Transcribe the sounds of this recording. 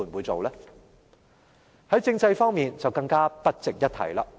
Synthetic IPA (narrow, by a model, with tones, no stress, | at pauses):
u˨˩nwuː˨˧jt͡so˨wlɛː˥ | hɐ˨˥jt͡sɪ˥˧ŋt͡sɐ˧jfɔː˥ŋmiː˨nt͡sɐ˨wkɐ˧ŋkaː˥pɐ˥t̚t͡sɪ˨k̚jɐ˥t̚t̪ʰɐ̰˨˩jlaː˧